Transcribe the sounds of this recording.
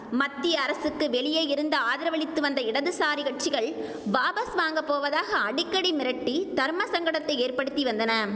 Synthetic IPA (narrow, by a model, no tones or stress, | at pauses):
mɐt̪ːiɐːɾɐsɯkːɯʋɛɭɪjɐɪjɪɾɯnd̪ɐaːðɪɾɐʋɐɭɪt̪ːɯʋɐnd̪ɐɪɽɐðɯsaːɾɪɣɐʈ̚t͡ʃɪɣɐɭ | ʋaːbɐsʋaːŋɡɐpːoːʋɐðaːɣɐːɽɪkːɐɽimɪɾɐʈːit̪ɐɾmɐsɐŋɡɐɽɐt̪ːɐɪeːrpɐɽɯt̪ːiʋɐnd̪ɐnɐ